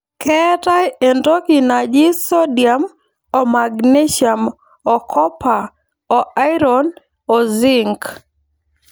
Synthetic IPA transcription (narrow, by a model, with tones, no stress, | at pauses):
kɛta˦je˨ndo˦ki˨na˨d͡ʒɪ˦so˦dja˨m | o˨ma˨ɡne˦ʃa˨m | ɔ˨kʰɔ˦pa˨ | ɔ˨a˦i˦ɾɔ˨n | ɔ˨zɪ˦ŋk